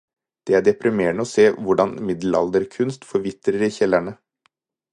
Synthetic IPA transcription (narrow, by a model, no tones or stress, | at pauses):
d̪̥ɛːæːɖɛpɾɪmeːɳəoːseːʋʊɖɑnmɪd̪l̩ɑ̰ld̪əɾkʰʉnst̪fɔɾʋɪt̪ɾəɾiçɛlæɳə